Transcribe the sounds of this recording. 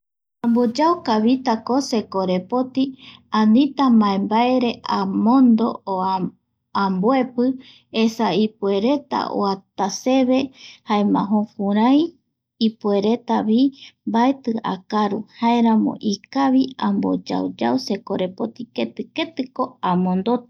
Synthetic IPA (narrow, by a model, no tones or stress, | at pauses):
ãmbod͡ʒawkaβit̪ako̞se̞koɾe̞po̞t̪iãnĩt̪amaembaeɾe̞ʔamõnd̪o̞̰o | amboe̞pɨ | esaipue̞ɾe̞t̪a̰ʔo̰at̪ase̞βe̞haemã̰ɦokũɾãjː | pue̞ɾe̞t̪aβimbaet̪ɨa̰kaɾuhaeɾãmõ̰ʔikaβiambo̰d͡ʒa̰ud͡ʒawse̞koɾepot̪iket̪ɨke̞t̪ɨko̞amõ̞nd̪ot̪